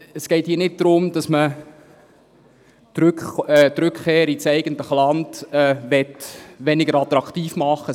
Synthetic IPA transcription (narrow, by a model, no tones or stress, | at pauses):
əsɡ̥ɛɪthiːənɪt̚d̥̪ɾʊmdɑsmə | ɾkːt̪ɾʉkkeːɾit͡sɛɪɡəntləχəlɑndɛʋɛtʋɛnɪɡəɾɑt̪ɾɑktiːfmɑχːə